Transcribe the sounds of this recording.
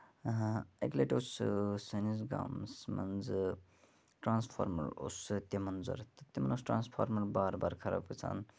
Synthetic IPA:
ekleʈossɐnis̬ɡa̰ːmsmɐ̰nd͡z | ʈɾaːnspʰo̰ːɾmɐɾo̰st̪imɐnzɐ̰ɾt̪ɨt̪imɐnosʈɾaːnspʰaɾmɐɾbaːɾbaːɾkʰɐɾa̰ːb̚kɐt͡sʰa̰ːn

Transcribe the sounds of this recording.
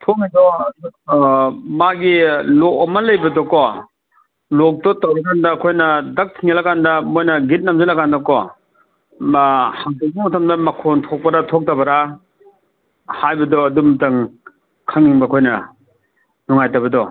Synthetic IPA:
tʰok̚idɔ | maɡilokɐmɐlɐjbɐdɔkɔ | lok̚totɐwɾɐkandɐːkʰojnɐdɐk̚tʰiŋilɐkandɐmojnɐɡit̚nɐmzelɐkandɔkɔ | mhaŋtok̚bɐmɐtʰɐmdɐmɐkʰontʰok̚pɐɾatʰok̚tabɐɾa | hajbɐdɔɐdumtɐŋ | kʰɐŋːiŋbɐkʰojnɐ | nɔŋajtɐbɐdɔ

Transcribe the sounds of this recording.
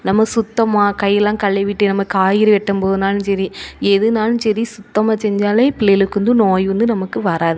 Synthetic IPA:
nɐmːɐsʊt̪ːɐmaːkɐjːɛlːãːkɐɭːɐʋɪʈːɯnɐmːɐkaːjɪɾɯʋɛʈːɐmpoːðɯnaːlnɯsɐɾiɛðɯnaːlnɯsɐɾisʊt̪ːɐmaːsɛɲd͡ʒaːlepɪlːɐjɪlɯkːɯʋɐnd̪ɯnoːjʋɐnd̪ɯnɐmɐkːɯʋɐɾaːðɯ

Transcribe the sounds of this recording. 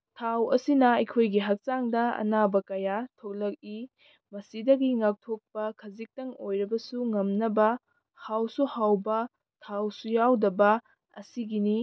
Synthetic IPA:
tʰawɐsinɐɐjkʰojɡiɦɐk̚saŋdɐɐ̰nabɐkɐjatʰok̚lɐk̚i | mɐsidɐɡiŋak̚tʰok̚pɐkʰɐzik̚tɐŋojɾɐbɐsuŋɐmnɐbɐ | hawsuhawbɐ | tʰawsujawdɐbɐ | ɐ̰siɡini

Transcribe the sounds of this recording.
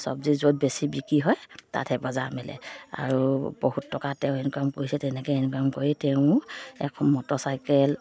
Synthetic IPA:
sɔ̰bzizot̚besibikɹiɦɔjta̰tʰɛbɔzamɛlɛ̰a̰ɹubohutːɔkatɛʊ̃enukamkoɹisɛtɛnɛkɛenukamkoɹitɛʊ̃ɛ̰kʰɔmɔtɔsajkɛl

